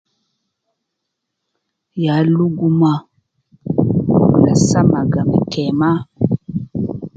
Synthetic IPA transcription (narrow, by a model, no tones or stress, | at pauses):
jaluɡuma | ulasamaɡamikʰɛma